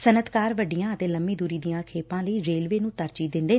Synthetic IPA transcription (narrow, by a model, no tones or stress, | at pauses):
sənət̪kaːɾʋəɖːɪjãːət̪eːləmːiːd̪uːɾiːd̪ijãːkʰeːpãːləiːɾeːlʋeːnũːt̪əɾt͡ʃiːd̪ɪ̃nd̪eː